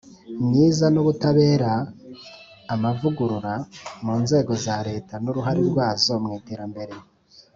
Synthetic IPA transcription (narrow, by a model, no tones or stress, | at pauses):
mɲiːzanoβutaβe̞ːɾa | mavuɡuɾuɾamuːnze̞ːɡo̞zaɾe̞ːtanuɾuɦaɾiɾɡwaːzo̞mŋiːte̞ːɾambe̞ɾe̞